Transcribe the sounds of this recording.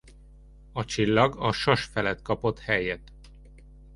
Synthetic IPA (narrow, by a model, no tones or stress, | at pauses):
ɒt͡ʃilːɒɡɒʃoʃfɛlɛt̪kɒpo̞t̪hɛjɛt̪